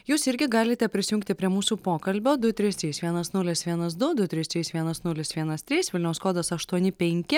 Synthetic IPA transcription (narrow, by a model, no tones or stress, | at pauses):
juːsɪɾʲɡʲɪɡɑːlʲɪt̪ʲɛpʲɾʲɪsʲɪjʊːŋkt̪ʲɪpʲɾʲiɛmuːsuːpoːkɐlʲbʲoːd̪ʊt̪ʲɾʲɪst̪ɾʲiːsʋʲiɛnɐsnʊlʲɪsʋʲiɛnɐs̬d̪ʊd̪ʊt̪ʲɾʲɪst̪ɾʲiːsʋʲiɛnɐsnʊlʲɪsʋʲiɛnɐst̪ʲɾʲiːsʋʲɪlʲnʲɛʊskoːd̪ɐsɐʃt̪uɔnʲɪpʲɛŋʲkʲɪ